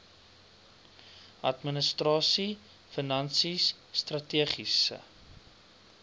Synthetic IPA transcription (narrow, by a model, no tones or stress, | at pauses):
ʔɐtmənəstrɑːsi | fənɐnsisː | trɐtiəχisə̰